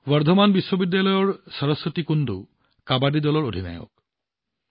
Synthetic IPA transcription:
waɾd̪ʱɔmanbiswobid̪ːjalɔjɔɾsɔɾɔsːɔt̪ikund̪u | kabaɖid̪ɔlɔɾod̪ʱina̰jɔ̰k̚

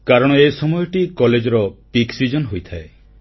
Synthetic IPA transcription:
kaɾɔɽ̃ɔesɔmɔjɔʈikɔled͡ʒɔɾɔpiksid͡ʒɔnɦojt̪ʰae

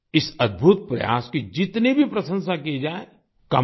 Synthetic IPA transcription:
ɪsɐd̪̚bʱut̪̚pɾɐ̰ja̰ːskid͡ʒɪt̪nebʱipɾɐsə̃nsakied͡ʒaːe | kɐ

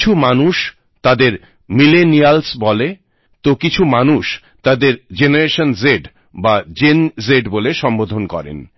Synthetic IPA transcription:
t͡ɕʰumanuʃ | t̪ad̪eɾ | milenialsbɔle | t̪okit͡ɕʰumanuʃ | t̪ad̪eɾd͡ʑenaɾeʃonzeɖ | bad͡ʑenzeɖboleʃɔmbod̪ʱonkɔ̰ɾḛn

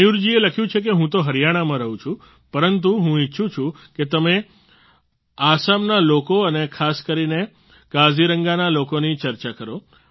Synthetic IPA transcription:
juɾd͡ʒieləkʰjũt͡ʃʰek̬eɦũt̪oɦəɾjaɽ̃amãɾəɦũt͡ʃʰũ | pəɾənt̪uɦũiːʃʰũt͡ʃʰũ | ket̪əme | asamnalokoənekʰaskəɾine | kaziɾəŋɡanalokonit͡ʃəɾt͡ʃakəɾo

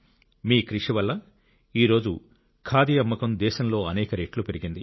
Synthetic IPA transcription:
miːkɾiʂiʋɐlːɐ | iːɾo̞ːd͡ʒu | kʰaːd̪ijɐmːɐkɐmd̪ɛːʃɐmlo̞ːɐnɛːkɐɾeːʈlupe̞ɾiɡind̪i

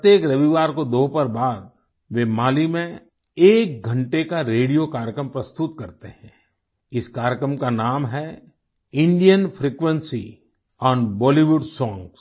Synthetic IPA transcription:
pt̪jeːkɾɐʋiʋaːɾkod̪oːɦpɐɾbaːd̪̚ | ʋemaːlimẽ | eːk̚ɡʱə̃ɳʈekaɾeːɽijokaːɾjəkɾəmpɾɐst̪ʊt̪kɐɾt̪eɦɛ̃ | ɪskaːɾjəkɾəmkanaːmɦɛ | ɪ̃ɳɖijənfʰɾiːkʋə̃nsi | ɔːnbɔːliʋʊɖsɔ̃ːŋɡs

